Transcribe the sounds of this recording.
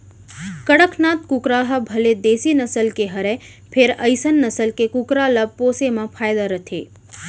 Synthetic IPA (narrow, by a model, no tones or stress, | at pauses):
kəɽəkʰnat̪kukɾaɦəbʱəled̪eːsinəsəlkeɦəɾe | pʰeɾəjsənːəsəlkekukɾaləb̚poːsemãpʰaːjd̪aɾət̪ʰe